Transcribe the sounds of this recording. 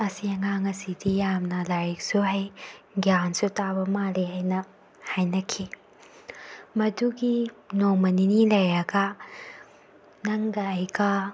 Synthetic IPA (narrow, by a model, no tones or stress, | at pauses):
ɐsiɐŋaŋɐsidijamnɐlaɾik̚suɦɐjɡjansutabɐmaliɦajnɐ | hajnɐkʰi | mɐduɡinomɐninilɐjɾɐɡɐ | nɐŋɡɐɐjɡɐ